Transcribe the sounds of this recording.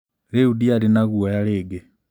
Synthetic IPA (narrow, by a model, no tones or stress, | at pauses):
ɾeudialinaɣuɔjaleːɡɛ